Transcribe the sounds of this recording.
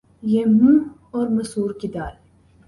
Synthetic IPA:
jemːu | oɾmɐsuːɾkid̪al

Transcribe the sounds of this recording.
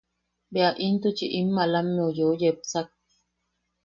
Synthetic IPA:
beaʔint̪ut͡ʃiʔimːalamːeujojep̚t͡sak̚i̥

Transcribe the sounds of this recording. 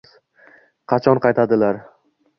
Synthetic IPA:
qʰɑt͡ʃʰɒnqʰɑjt̪ʰad̪ɪlaɾ

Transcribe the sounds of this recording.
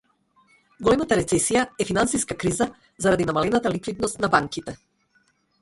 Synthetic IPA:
ɡɔlɛmat̪aɾɛt̪sɛsijaɛfinansiskakɾiza | zaɾad̪inamalɛnat̪alikvid̪nɔst̪nabaŋkit̪ɛ

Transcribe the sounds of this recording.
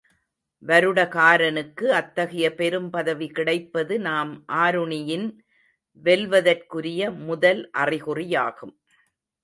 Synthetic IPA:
ʋɐɾɯɽɐkaːɾɐnɯkːɯɐt̪ːɐɣɐjɐpɛɾɯmpɐðɐʋikɪɽɐɪpːɐðɯnaːmʔaːɾɯɳɪjɪn | ʋɛlʋɐðɐrkɯɾɪjɐmʊðɐlʔɐrɪɣɯrɪjaːɣɯm

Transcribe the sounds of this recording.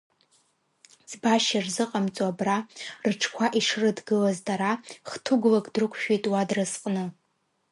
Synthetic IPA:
zbaʃarzɨqʼamt͡sʼabrarɨʈ͡ʂʰkʷʰaʔiʂrɨdɡɨlazdʼaɾaχtʰuɡʷlakʼdrɨkʷʰʼʃᶣijtʼwadrɨzqʼnɨ

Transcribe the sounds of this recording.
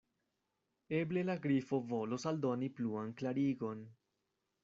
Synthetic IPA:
e̞ble̞laɡɾifo̞vo̞losald̪o̞nipluanklaɾiɡo̞n

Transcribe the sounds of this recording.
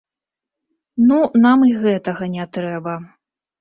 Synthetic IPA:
nunamiɣɛt̪ɐɣɐnʲɛt̪ɾɛbɐ

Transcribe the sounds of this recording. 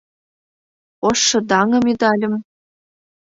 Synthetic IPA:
oʃːɤ̆d̪ɑŋɤ̆med̪ɑlʲə̆m

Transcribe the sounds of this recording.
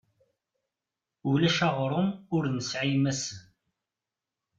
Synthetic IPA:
ulæʃɑʁɾˤʊmʊɾnəsʕijmæsən

